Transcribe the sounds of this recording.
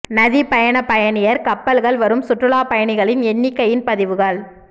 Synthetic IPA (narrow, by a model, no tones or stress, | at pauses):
nɐðipɐjɐɳɐpɐjɐɳɪjɐɾkɐpːɐlɣɐɭʋɐɾɯmsʊʈrɯɭaːpɐjɐɳɪɣɐɭɪnɛnːɪkːɐjɪnpɐðɪʋɯɣɐɭ